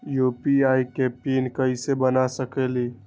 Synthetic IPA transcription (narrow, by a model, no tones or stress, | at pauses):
jupiaikepinkəɪsebənasəkeli